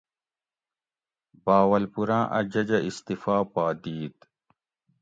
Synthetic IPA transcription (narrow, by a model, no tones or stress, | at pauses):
baːwɐlpuɾãːʔɐ̰d͡ʑɐd͡ʑɐist̪ifaːpaːd̪iːt̪